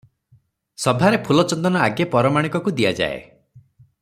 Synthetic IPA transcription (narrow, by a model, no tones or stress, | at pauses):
sɔbʱaɾepʰulɔt͡ʃɔnd̪ɔnɔaɡjapɔɾɔmaɽ̃ikɔkud̪iad͡ʒa̰ḛ